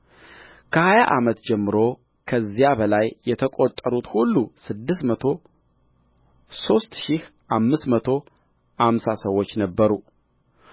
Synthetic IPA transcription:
kʰəhajaʔamət̪d͡ʒɛmːɨɾo̞ | kʰəzːijabəlajːɛt̪ʰəkʼot̪ʼːəɾut̪hulːusɨd̪ːɨsmət̪ʰo̞ | so̞st̪ʃihʔamːɨsmət̪ʰo̞ | hamsasəwːo̞t͡ʃːnəbːəɾu

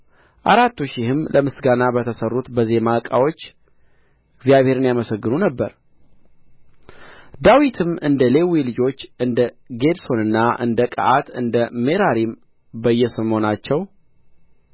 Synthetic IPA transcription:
ʔaɾat̪ːuʃɪhɨmlʔəmɨsɡanabət̪ʰəsərːut̪bəzie̞makʼa̰wot͡ʃː | ɨɡzijaβhe̞ɾɨnjaməsəɡːɨnunəbːəɾ | d̪awit̪ʰɨmɨnd̪əle̞wilɨd͡ʒo̞t͡ʃːɨnd̪ə | ɡe̞d̪so̞nɨnːaʔɨ̰nd̪əkʼə̰ʔat̪ɨnd̪əme̞ɾaɾim | bəjːɛsəmo̞nat͡ʃːɛw

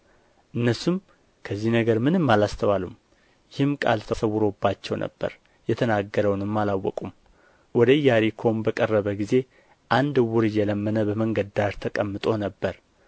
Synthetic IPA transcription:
ʔɨnːəsum | kʰəzːihnəɡəɾmɨnɨmːalast̪ʰəwalum | jɪhɨmkʼa̰lt̪ʰəsəwːʊɾo̞bːat͡ʃːɛwnʔə̰bːə̰ɾ | jɛt̪ʰənaɡːəɾəwnɨmːalawːɔkʼum | wɔd̪əɨjːaɾikʰo̞mbəkʼərːəβəɡize̞ | ʔand̪ɨwʊɾɨjːɛləmːənəbəməŋɡəd̪aʒt̪ʰəkʼəmːɨt̪ʼo̞nəbːəɾ

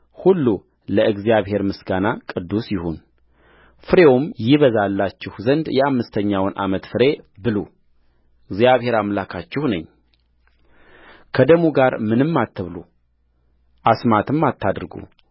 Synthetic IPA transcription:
hulːu | ləɨɡzijaβhe̞ɾmɨsɡanakʼɨd̪ːusjɪhun | fɨɾe̞womjɪβəzalːat͡ʃːɪhzənd̪jɛamːɨst̪ʰəɲːawnʔa̰mət̪fɨɾe̞bɨlo̰ | ɨɡzjaβhe̞ɾamlakʰat͡ʃːɪhnɨɲː | kʰəd̪əmuɡaɾmɨnɨmːat̪ʰːɨβlu | ʔasmat̪ʰɨmːat̪ʰːad̪ɨɾɡṵ

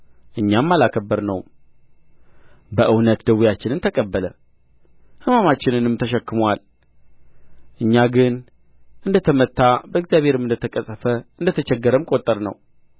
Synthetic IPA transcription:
ʔɨɲːamːalakʰəbːəɾnə̰w | bəʔɨwnət̪d̪əwijat͡ʃːɪnɨnt̪ʰəkʼəbːələ | hɨmamat͡ʃːɪnɨnɨmt̪ʰəʃ̬ɛkːɨmwal | ʔɨɲːaɡɨn | ʔɨnd̪ət̪ʰəmət̪ʰːabəɨɡzjaβhe̞ɾɨmɨnd̪ət̪ʰəkʼəsʼəfəɨnd̪ət̪ʰət͡ʃɛɡːəɾəmkʼo̞t̪ʼːəɾnə̰w

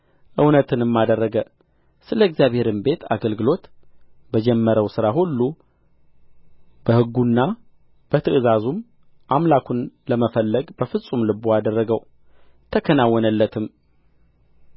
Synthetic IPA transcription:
ʔɨwnət̪ʰɨnɨmːad̪ərːəɡə | sɨləɡzjaβhe̞ɾɨmbe̞t̪ʰa̰ɡəlɡɨlo̞t̪bəd͡ʒɛmːəɾəwsɨɾaɦulːu | b̥əhɨɡːunːa | b̥ət̪ʰɨʔɨzazum | ʔamlakʰunləməfəlːəɡbəfɨsʼumlɨboad̪ərːəɡəw | t̪ʰəkʰənawːɔnəlːət̪ʰɨm

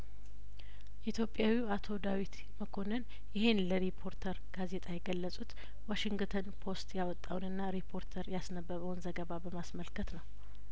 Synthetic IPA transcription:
ʔit̪ʰjo̞pʼːjawiat̪ʰo̞d̪awit̪ | məkʰo̞nən | jɪhe̞nləɾipʰo̞ɾt̪ʰəɾɡ̥aze̞t̪ʰʼajɛɡəlːəsʼut̪ | waʃiŋɡt̪ʰənpʰo̞st̪jawɔt̪ʼːawnɨnːaɾipʰo̞ɾt̪ʰəɾjasnəbːəβəwnzəɡəβabəmasməlkʰət̪nəw

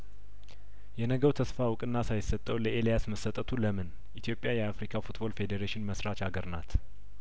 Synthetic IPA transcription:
jɛnəɡəwt̪ʰəsfawʊkʼɨnːasajɪsːət̪ʼːəwləʔe̞lijasməsːət̪ʼət̪ʰuləmɨn | ʔit̪ʰijo̞pʼjajɛafɾikʰafut̪bo̞lfe̞d̪eɾeʃɪnməsɾat͡ʃaɡəɾnat̪

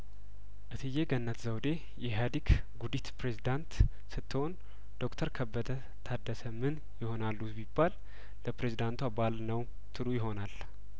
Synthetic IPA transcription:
ʔɨt̪ʰɨjːeɡənːət̪zəwd̪e̞ | jɛɦad̪ik | ɡud̪it̪pɾe̞zid̪ant̪ | sɨt̪ːɨho̞n | d̪̥o̞kt̪ʰəɾkʰəbːəd̪ə | t̪ʰad̪ːəsəmɨn | jɪho̞nalːubibːal | ləpɾezid̪ant̪ʰwabalnəw | t̪ʰɨlujɪɦo̞nal

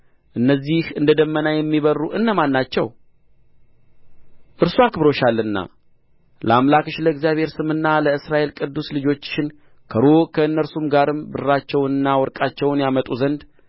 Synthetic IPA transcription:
ʔɨnːəzːihɨnd̪əd̪əmːənajɛmːiβərːuʔɨnːəmanːat͡ʃːɛ̰w | ʔɨɾsuakɨbɾo̞ʃalːɨnːa̰ | lə̰amlakɨʃləɨɡzjaβhe̞ɾsɨmɨnːaləɨsɾaʔe̞lkʼɨd̪ːuslɨd͡ʒo̞t͡ʃːɪn | kʰəɾokʰəɨnːəɾsumɡaɾɨmbɨrːat͡ʃːɛwnɨnːawɔɾkʼat͡ʃːɛwnjamət̪ʼuzənd̪

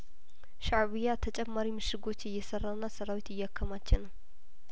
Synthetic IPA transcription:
ʃaʕβijat̪ʰət͡ʃʼɛmːaɾimɨʃɨɡo̞t͡ʃːjɛjːɛsərːanːasəɾawit̪ɨjːakʰːəmat͡ʃːɪnːəw

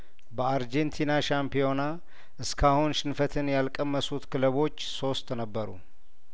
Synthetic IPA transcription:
bəaɾd͡ʒent̪ʰinaʃampijo̞na | ʔɨskʰahunʃɪnfət̪ʰɨnjalkʼəmːəsut̪kʰɨləβo̞t͡ʃːso̞st̪ʼnəbːəɾṵ

